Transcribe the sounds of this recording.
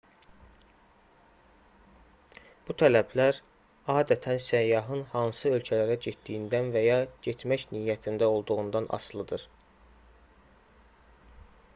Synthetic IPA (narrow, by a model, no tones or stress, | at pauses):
b̥ut̪ʰælæblæɾ | ɑːd̪æt̪ʰænsæjːɑɦɯnhɑnsɯø̞lcʰælæɾæɟet̪d̪ijind̪ænvæjɑɟet̪ʰmæçnijːæt̪ʰind̪æo̞lˠd̪uɣund̪ɑnʔɑ̰slˠɯd̪ɯɾ̥